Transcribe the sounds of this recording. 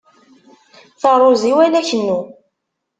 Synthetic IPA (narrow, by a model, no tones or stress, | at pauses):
θəɾˤoziwælæçənːu